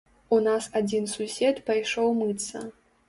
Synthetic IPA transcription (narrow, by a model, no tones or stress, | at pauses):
unasad͡zʲinsusʲɛt̪pajʂɔwmɨt̪sɐ̰